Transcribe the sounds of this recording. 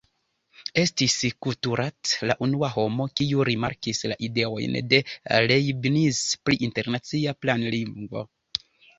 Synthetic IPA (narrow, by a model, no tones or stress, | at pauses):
e̞stiskutuɾʔatlaʔunuaho̞mo̞kiuɾimaɾkisla̰ʔide̞o̞̰jnde̞lejbnispliʔinte̞ɾnat͡siaplanliŋɡvo̞̰